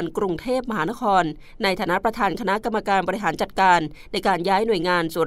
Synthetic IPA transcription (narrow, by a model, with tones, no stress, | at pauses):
nkɾu˧ŋt̪ʰeː˥˩p̚ma˧ɦaː˩˦na˦˥kʰɔː˧nː | a˧jt̪ʰaː˨˩na˦˥pɾa˧t̪ʰaː˧nkʰa˧na˦˥ʔka˧mːa˧kaː˧nbɔː˧ɾi˦˥ɦaː˩˦nt͡ɕa˨˩t̪̚kaː˧nːa˧jkaː˧njaː˦˥jnu˨˩əjŋaː˧nsuː˨˩˦n